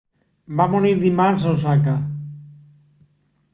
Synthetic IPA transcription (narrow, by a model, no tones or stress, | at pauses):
bamoniɾðimansowsaka